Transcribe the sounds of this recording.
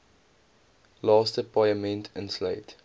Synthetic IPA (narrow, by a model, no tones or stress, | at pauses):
lɑːstəpʰajəmɛ̃ntʰɪ̃nsleɪt